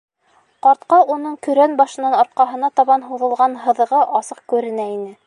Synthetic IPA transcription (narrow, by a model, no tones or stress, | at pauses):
qɑɾt̪̚qɑunɤɴkɵ̆ɾænbɑʃɤ̆nːɑnɑɾt̪̚qɑɦɤ̆nɑt̪ɑβɑnɦuðɤ̆lˠʁɑnɦɤ̆ðɤ̆ʁɤʔɑsɤq̚kʉɾɘ̆næinɘ